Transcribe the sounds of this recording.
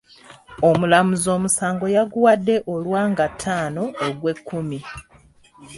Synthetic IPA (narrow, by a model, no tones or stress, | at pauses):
o̞mulamuzo̞ːmusaːŋɡo̞jaɡuwadːe̞ʔo̞lwaːŋɡatʰːaːno̞ːɡwe̞kʰːumi